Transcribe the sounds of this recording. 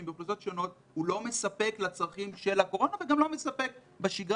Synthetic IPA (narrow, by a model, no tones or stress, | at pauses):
mbiχluso̞tʃo̞no̞t̪̚ | hulo̞mesape̞klat͡sʁaχimʃe̞lako̞ʁo̞naveɡamlo̞mesapek̚ | beʃiɡʁ